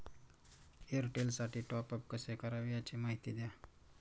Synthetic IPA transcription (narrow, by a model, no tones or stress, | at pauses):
eɾʈelsaʈʰiːʈɔpəp̚kəsekəɾaʋiat͡ɕemaɦit̪id̪ja